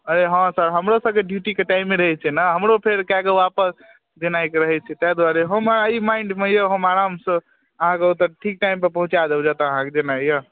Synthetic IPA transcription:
əɾeɦãsəɾɦəmɾosə̃bkeɖjuʈikeʈaimːeɾəɦɛt͡ʃʰɛnəɦəmɾopʰeɾkakeapəs | d͡ʒenajkeɾəɦɛt͡ʃʰɛt̪ad̪waɾeɦəməəimaɪɳɖmejəɦəmaɾamsə̃ | əɦãkeut̪əʈʰik̚ʈaimpəɾpəɦũt͡ʃad̪ebd͡ʒat̪aəɦãked͡ʒenajjə

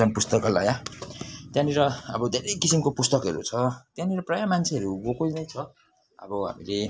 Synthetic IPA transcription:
ʌnpust̪ʌkʌla̰ja | t̪jãniɾʌʌbʌd̪ʱeɾʌjkisimkopust̪ʌkɦʌɾṵt͡sʰʌt̪jãniɾʌprajamant͡sʰeʌɾuɡokonʌjt͡sʰʌ | ʌ̰bʌɦa̰mile

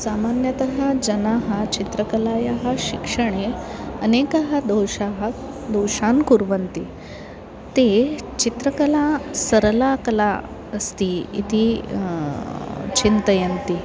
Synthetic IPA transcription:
samanjət̪əɦad͡ʑənaɦat͡ɕit̪ɾəkəlajaɦaɕikʂəɳ̃eənekəɦad̪owɕaɦa | d̪owɕankuɾʋənt̪i | t̪et͡ɕit̪ɾəkəlasəɾlakəla | əst̪iḭt̪iː | t͡ɕint̪əjənt̪iː

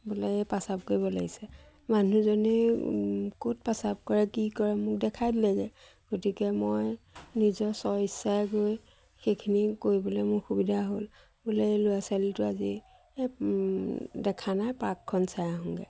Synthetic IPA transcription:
bɔlɛɛpasab̚koɹibɔla̰ɡisɛ | manuzɔnɛ | kot̚pasab̚kɔɹɛkikɔɹɛmʊk̚dɛkʰajdlaɡɛ | ɡ̥otikɛmojnizɔsɔisaɡoj | xekʰinikoɹibɔlɛmʊɹxubidʱaɦol | bulɛlʊjasalitʊazi | dɛkʰanajpakʰːɔnsajaɦɔŋɡɛ̰

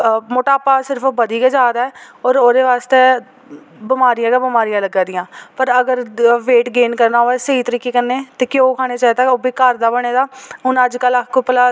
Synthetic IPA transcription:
moːʈaːpaːsɪɾəpʰbəd̪iːkeːd͡ʒaːd̪aːɛːɔːɾoːd̪eːʋaːst̪eː | bɪmaːɾijãːɡãbɪmaːɾijãːləɡːãːd̪ɪjãːpəɾəɡəɾʋeːʈɡeːnkəɾnaːɦoːɛsəiːt̪əɾikːeːkənːeːt̪eːkɪjoːkʰaːɽ̃eːt͡ʃaːit̪aoːbiːkəɾd̪aːbəɽ̃eːd̪aːʊnəd͡ʒkəlakkoːpəlaː

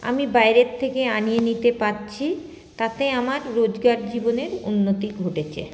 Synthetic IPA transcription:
a̰mibajɾett̪ʰːekeanijenit̪epatːt͡ɕʰi | t̪at̪eamaɾːod͡ʑɡaɾd͡ʑiboneɾunːot̪iɡʱoʈet͡ɕʰḛ

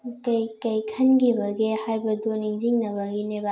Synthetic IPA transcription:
kɐjkɐjkʰɐnɡibɐɡehajbɐdoniŋziŋnɐβɐɡineba

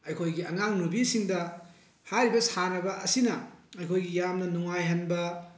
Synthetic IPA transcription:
ɐjkʰojɡiɐ̰ŋaŋnubisiŋdɐ | hajɾibɐshanɐbɐʔɐsinɐɐjkʰojɡijamnɐnuŋajɦɐnbɐ

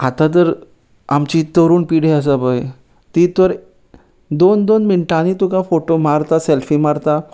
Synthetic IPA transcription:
at̪ãt̪̬əɾ | amt͡ɕit̪əɾuːnpiɽeəs̬əbəj | t̪it̪ʋəɾ | d̪ond̪onmiɳʈañit̪ukãfoʈomaɾt̪aselfimaɾt̪a

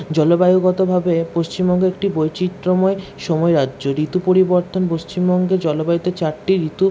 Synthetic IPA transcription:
d͡ʑɔlobajoɡɔt̪obʱabepoʃt͡ɕimbɔŋɡeek̚ʈibojt͡ɕit̪ːɾomɔeʃɔmɔeɾadːd͡ʑoɾit̪upoɾiboɾt̪onpoʃt͡ɕimbɔŋɡed͡ʑɔlobajot̪et͡ɕaɾʈiɾit̪u

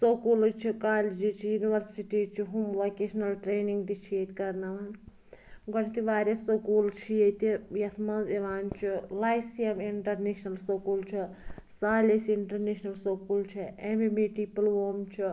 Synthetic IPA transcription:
sokult͡ʃʰikaːlid͡ʒit͡ʃʰijuniʋɐɾsiʈit͡ʃʰiɦumʋakesnɐlʈɾeːniŋɡd̪it͡ʃʰijet̪kɐɾnɐʋan | ɡɐnit̪iʋaːɾʲesokult͡ʃʰijet̪ijɐt̪ʰmɐzeʋaːnt͡ʃʰilajsijemiɳʈɐɾneʃnɐlsokult͡ʃʰisaːlʲesiɳʈɐɾneʃnɐlsokuːlt͡ʃʰiememiʈipɐlʋoːmt͡ʃʰi

